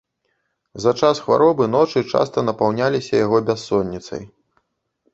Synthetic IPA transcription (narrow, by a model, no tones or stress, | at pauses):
zɐt͡ʂasxva̰ɾɔbɨnɔt͡ʂɨt͡ʂa̰st̪ɐnɐpawnʲalʲisʲɐjaɣɔbʲasːɔnʲːit̪sɐ̰j